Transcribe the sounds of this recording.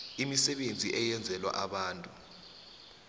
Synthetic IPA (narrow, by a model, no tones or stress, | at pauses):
imisɛɓend͡zʱiʔɛjɛnd͡zʱɛlwa̰ʔaɓaːntʼu